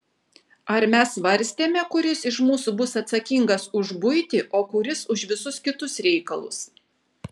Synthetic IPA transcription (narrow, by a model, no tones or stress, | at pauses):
ɐɾmʲɛsʋɐɾʲsʲt̪ʲeːmʲɛkʊɾʲɪsɪʃmuːsubʊsɐt̪sɐkʲiŋɡɐsʊʒbʊjt̪ʲɪʔoːkʊɾʲɪsʊʃʋʲɪsʊskʲɪt̪ʊsɾʲɛɪkɐlˠʊ̰s